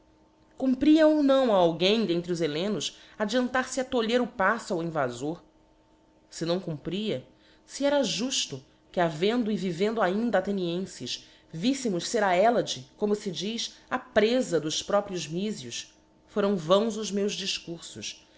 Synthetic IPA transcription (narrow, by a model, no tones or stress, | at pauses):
kũmpɾiɐownɐ̃w̃aawɡẽj̃d̪ẽnt̪ɾiʊzelẽnʊsad͡ʒiɐ̃nt̪aɾsɪɐt̪oʎeɾʊpasʊawĩvazoɾ | sɪnɐ̃w̃kũmpɾiɐ | siɛɾɐʒuʃt̪ʊ | kɪavẽnd̪ʊivivẽnd̪ʊaĩnd̪ɐaːt̪eniẽsɪʃ | visɪmʊʃseɾaɛlɐd͡ʒɪkõmʊsɪd͡ʒiʃapɾezɐd̪ʊspɾɔpɾiʊzmizjus | foɾɐ̃w̃vɐ̃w̃zʊzmewʒd͡ʒiʃkuɾsʊʃ